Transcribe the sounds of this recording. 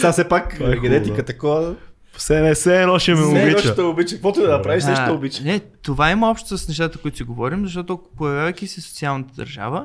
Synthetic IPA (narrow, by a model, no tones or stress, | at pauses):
t̪asɛpakɛɡɐd̪ɛikət̪ɐkoə̥ | sɛnɛsɛːnɔʃɛmɛobit͡ʃt̪oʊbit͡ʃkək̪vɔt̪ʊd̪ɐnɐpɾaviʃɛʃt̪ʊbit͡ʃɛnɛt̪ovaimɐɔpʃt̪o̥sɐsnɛʃt̪at̪əkoit̪ʊ̥siɡovɔɾimzɐʃ̬t̪ɔt̪ʊpojɐvʲjavɐjk̪isiso̥t̪sialˠnət̪əd̪ɐ̰ɾʒa̰və